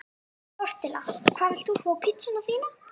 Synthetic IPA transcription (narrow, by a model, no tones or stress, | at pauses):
ɔr̥t̪ɪla̰kʰv̥aːvɪl̥t̪θufɔːpʰit̪sɪnavθiːna